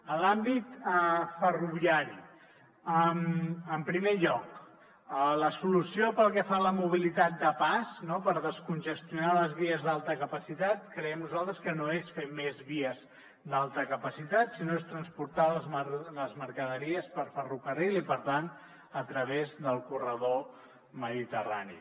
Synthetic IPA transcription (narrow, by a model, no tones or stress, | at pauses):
əlambit̪əfəruβ̞iaɾi | əməmpɾimeʎɔk | ələsulusiopəlˠkɛfaləmuβ̞ilit̪at̪̚d̪əpasnopəɾðəskunʲʒəst̪junaləzβiəzðalˠt̪əkəpəsit̪at̪kɾɛɛmnuzalˠt̪ɾəskənoesfemezβiəz | d̪alˠt̪əkəpəsit̪at̪sinoest̪ɾənspuɾt̪aləzələzməɾkəðəɾiəspəɾfərukərilˠipəɾt̪an | ət̪ɾəβezðəlˠkurəð̞o | məðit̪əra̰nḭ